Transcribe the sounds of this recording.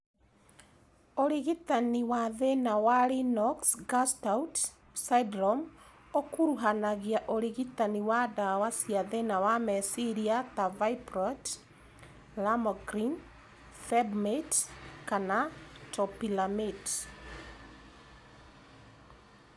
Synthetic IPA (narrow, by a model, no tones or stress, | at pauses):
oɾiɣitaniwaðenawaɾinɔksɡastaut | saidɾɔm | okuɾuɦanaɣiaʔoɾiɣitaniwadawasiaðenawamɛsiɾiatavaipɾɔt | lamɔɡɾin | fɛbmetkanatɔpilamit